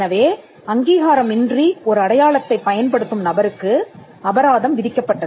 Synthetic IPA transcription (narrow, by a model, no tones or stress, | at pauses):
nɐʋeː | ɐŋɡiːɣaːɾɐmɪndriɔɾɯɐɽɐjaːɭɐt̪ːɐɪpːɐjɐnpɐɽɯt̪ːɯmnɐbɐɾɯkːɯ | ɐbɐɾaːðɐmʋɪðɪkːɐpːɐʈːɐðɯ